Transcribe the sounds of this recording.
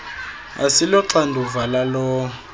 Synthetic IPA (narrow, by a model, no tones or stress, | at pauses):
a̰silɔǀandʱuvalalɔ